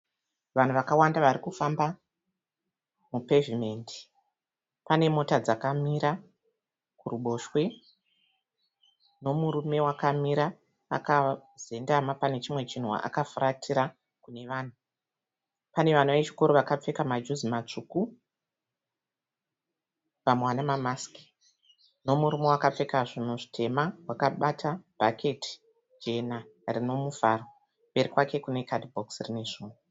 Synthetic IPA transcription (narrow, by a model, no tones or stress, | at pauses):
ʋan̤uʋakawandaʋaɾikufamba | mupe̞vime̞ndi̥ | pane̞mo̞tad͡zakamiɾa | kuruɓo̞ʃwe̞ | no̞muɾume̞wakamiɾa̰ː | kaz̥e̞ndamapane̞t͡ʃimwe̞t͡ʃin̤ua̰ʔa̰kafuratʰiɾa | kune̞ʋaːn̤u | pane̞ʋan̤uʋe̞t͡ʃi̥ko̞ɾoʋakap͡fe̞kamad͡ʒuzimat͡ʂuku | pamwanamamaski̥ | no̞muɾumo̞wakap͡fe̞kaʐin̤uʐitʰe̞mawakaɓatʰab̥ʱakʰe̞tʰi̥ | d͡ʒe̞narino̞mufaro̞ | mbe̞ɾikwake̞kune̞kadbʱoksrine̞ʐuːnu